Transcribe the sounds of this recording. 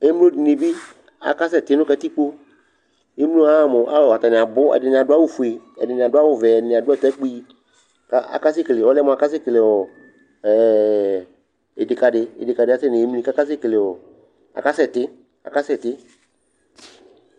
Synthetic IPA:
e˦m˦o˦di˨nɪ˨bi˦ | a̰˨ka˦sɛ˦˨tɪ˦nʊ̃˦kɛ˧˦ti˦k͡po˦ | e˦m˦u˦a˦˨mʊ˨ʔa̰˦lɔ˨a˨ta˨nɪ˨a˨bʊ˦ɛ̰˨dɪ˨nɪ̃˨a˨dʊ˦a˦wʊ˦fu˨e˨ɛ̰˨dɪ˨nɪ̃˨a˨dʊ˦a˦wʊ˦˨vɛ˨ɛ˨nɪ̃˨a˨dʊ˦ɛ˦˨tɛ˦k͡pi˦ | ka˦a̰˨ka˦s̬ɪ˦˨ke˨le˨ɔ˨˦lɛ˦mʊ˨a˨ka˦s̬ɪ˦˨kle˨ɔ˨ | e˨dɪ˨ka˨dɪ˧ɪ̰˨dɪ˨ka˨dɪ˨˦a˦sɪ˦nɪ˨˦m˦ĩ˦˨ka˦ka˦s̬ɪ˦˨ke˨le˨ɔ˨ | a̰˨ka˦sɛ˨tɪ˦ | a̰˨ka˦sɛ˦˨tɪ˦

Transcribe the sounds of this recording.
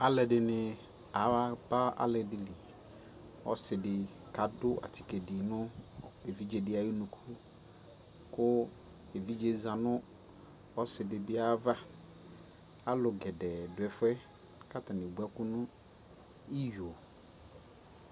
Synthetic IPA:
a˦lɛ˨dɪ˨nɪ˨ | a˨˦a˦pa˦ʔa̰˦lɛ˨dɪ˨li˨ | ɔ̰˦sɪ˨dɪ˨ | ka˨dʊ˦a̰˨tʰi̥˨ke˨dɪ˨nʊ̃˦e˨vi˦d͡ʒe˨dɪ˦a˦ji˦nũ˨kʰu˦ | kʊ˦ | e˨vi˦d͡ʒe˦zã˨nʊ̃˦ | ɔ˦sɪ˨dɪ˨bɪ˦a˦va˦ | a˦lʊ˨ɡɛ˨dɛ˨dʊ˨ɛ˨fʊ˦ɛ˦ | ka˦ta˨nɪ̃˨bu˨˦a˦kʊ˦nʊ̃˦ | i˦jo˨

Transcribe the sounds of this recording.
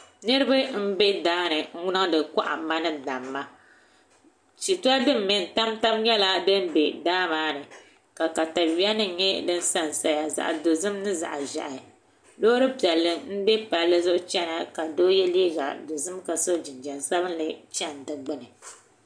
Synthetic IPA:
nɨ˦ɾɨ˦ba˦m̩˦be˦daː˦nɨ˨ŋ̩˦wʊ˦nɨ˦ŋ˦dɨ˨ka̰˦ʔa̰˨ma˦nɨ˦da˨mːa˦ | t͡ʃi˨tu˦a˦dɨ˦m̩˦˨mɛ˨n˨ta˦mta˦bɲɛ˦la˦dɨ˦n˦be˨daː˦maː˦nɨ˨ | ka˨ka˨ta˨wi˦a˦nɨ˦ɲɛ˦dɨ˦n̩˦sa˦˨n˨sa˨ja˨za̰˨ʔdo˨zɨ˦mnɨ˦za̰˨ʔa˨ʒa̰˨ʔa˨ | loː˦ɾɨ˦pi˨ɛ˨lːɨ˦ŋn̩˦bɛ˦pa˨lːɨ˦zʊ˦ʔʊ˦t͡ʃɛ˦na˨ka˨do˦jɛ˦li˦i˦ɡa̰˨do˨zɨ˦mka˨so˦d͡ʒi˨nd͡ʒɛ˨nsa˦bɨ˦n˦lɨ˦t͡ʃɛ˦˨n˨dɨ˨ɡ͡bɨ˦nɨ˨

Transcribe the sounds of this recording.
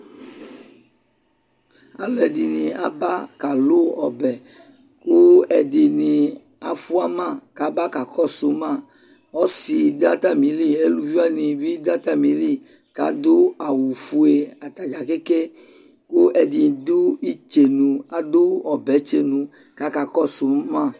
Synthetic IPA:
a̰˦lɛ˨di˨nĩ˨a̰˨ba˦ka˨lo˦ɔ̰˨bɛ˨ | ko˦ɛ˨di˨nĩ˨ | a̰˨fu˦a˦mã˦˨ka˨ba˦ka˨kɔ˦so˨˦mã˦˨ | ɔ˦si˨d̪a˦t̪a˦mĩ˨˦li˦e˦lu˦vi˦a˦nĩ˨bi˦d̪a˦t̪a˦mĩ˨˦li˦ | ka̰˨d̪o˦a˨wu˨fu˦e˨a˨t̪a˨d͡ʒa˨ke˦ke˦ | ko˦ʔɛ˨di˨d̪u˦i˦t͡ʃe˨nũ˨a˨d̪o˦ɔ˨bɛ˨t͡ʃe˨nũ˨ | ka˨ka˨kɔ˦so˨˦mã˦˨

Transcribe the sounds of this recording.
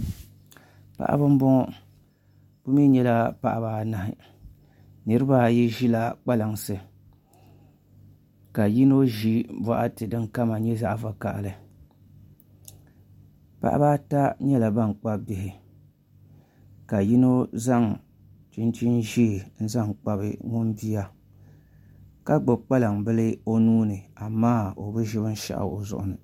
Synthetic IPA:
pa̰˨ʔa̰˦bɨ˦m̩˦bʊ˦ŋɔ˦ | b̥ʊ˦mi˦ɲɛ˦la˦pa˨ʔa̰˨baː˦na˨hɪ˨ | nɨ˨ɾɨ˦ba˦jɛ˦ʒi˦la˨k͡pa˦la˨ŋsɨ˨ | ka˨ji˦no˦ʒi˦ba˨ʔa˦tɨ˨dɨ˦ŋka˦ma˨ɲɛ˦za˦ʔa˨va˦ka̰˨ʔlɨ˨ | pa̰˦ʔa̰˦baː˦ta˦ɲɛ˦la˨ba˦ŋ˨k͡pa˦bbɪ˨hɪ˨ | ka˨ji˦no˦za˦ŋ | t͡ʃi˦nt͡ʃi˦nʒi˦˨n̩˦za˦˨ŋk͡pa˦bɨ̰˦ŋʊ˦n˦bi˦a˦ | ka˦ɡ͡bʊ˨k͡pa˦la˨ŋbɨ˦lɨ˦o˦nuː˦nɨ˨a˨maː˦o˨bɨ˦ʒɪ˦bɨ˦n̩˦ʃa̰˨ʔa̰˨o˨zʊ̰˨ʔʊ̰˨nɨ˨

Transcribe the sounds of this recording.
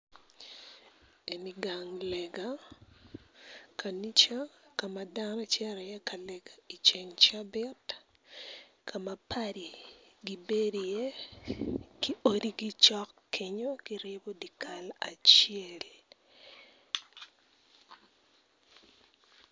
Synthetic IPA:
e˨ni˨ɡa˨ŋlɛ˨ɡa | kʰa˨ni˦t͡ʃa˦ka˨ma˨da˦ɾa˦t͡ʃɛ˦ɾɛ˨jɛ˦kʰa˨lɛɡa˨i˨t͡ʃɛ˨ŋt͡ʃa˦bɛ˦t | kʰa˨ma˨pʰa˦ɾi˨ɡi˨be˦dje˦ | ki˦o˦di˦ɡɪ˦t͡ʃɔ˦kkːɪ˨ɲo˦ki˦ɾɪbo˦di˨kʰa˦la̰˨t͡ʃiɛ˦l

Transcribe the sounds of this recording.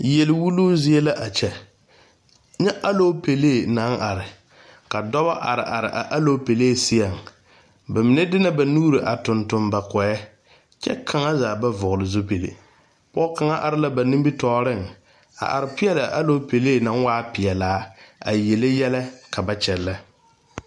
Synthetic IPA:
je˨lɪ˨wu˦luː˦zɪ˦e˦la˦ʔa˨t͡ʃɛ˨ | ɲɛ˦ʔa˦lo˦pe˨le˦˨na˨˦ŋʔa˨ɾɪ˨ | ka˨dɔ˦βa˦ʔa̰˨ɾɪ̰˨ʔa˨ɾɪ̰˨ʔa̰˨ʔa˦lo˦pe˨leː˦˨sɪ˦a˨ŋ | ba˨mɪ˨nɛ˦dɪ˦na˦ba˨nuː˦ɾi˨ʔa˨tʊ˨ntʊ˨mba˨kɔ˨ɛ˦ | t͡ʃɛ̰˦kʰa˨ŋa˦zaː˨ba˦vʊ˨ɣʊ˨lɪ˨zʊ˦pe˨lḛ˨ | pɔ˦ka˨ŋa˦ʔa˨ɾɪ˦la˦ba˨nĩ˦mbi˦tɔː˦ɾɪ˦˨ŋ | a̰˨ʔa̰˨ɾɪ˨pɪ˦ɛ˦la˨ʔa̰˦lo˦pe˨leː˦˨na˦ŋ˦waː˦pɪ˨ɛ˨laː˨˦a̰˨je˨le˦jɛ˦la˦kʰa˨ba˦t͡ʃɛ˨lːa˦

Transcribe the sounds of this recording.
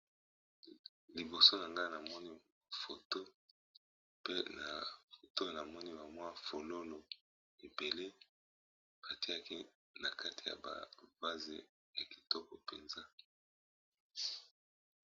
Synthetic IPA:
li˨bo˨so˦na˨ŋɡa˦na˨mɔ˦ni˦ | fo˨to˦ | pe˦na̰˨fo˨to˦˨na˨mɔ˦ni˦ba˨mwa˦fo˨lo˦lo˨ | e˨be˨le˦ | b̥a˨ti˦a˦˨ki˦ | na˨kʰa˦tʰi˨ja̰˨ba̰˨va˦zḛ˨ | ja˨ki̥˨tɔ˦kɔ˨pe˨nza˦

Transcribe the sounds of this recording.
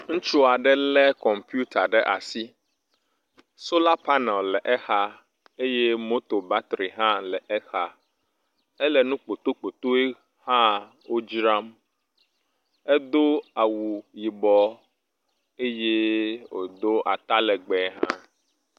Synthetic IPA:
ŋũ˦t͡ʃu˦a˨ɖɛ˦lɛ˦kɔ˨mpju˦t̪ʰa˨ɖɛ˦ʔa̰˨si˦ | so˦la˦pa˦nɛ˨llɛ˨ʔɛ˦xa˦ | e˦je˦mo˦t̪o˨ba˦t̪ɾi˨ɦã˦lɛ˨ʔɛ˦xa˦ | ɛ˦lɛ˨nũ˦k͡po˨t̪o˦k͡po˨t̪o˦e˦ | hã˦ | wo˦d͡ʒɾa˦m | ɛ˦d̪o˦a˨wu˨ji˨bɔ˦ | e˦je˦wo̰˨d̪o˦ʔa˨t̪a˦lɛ˨ɡ͡bɛ˨˦ɦã̰˦

